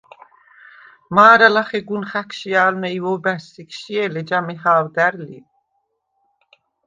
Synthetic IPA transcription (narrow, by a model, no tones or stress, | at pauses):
maːɾalaχɛɡunχækʰʃiaːlmɛivɔbæɾsikʰʃiɛlɛd͡ʒamɛhaːwd̪æɾlḭ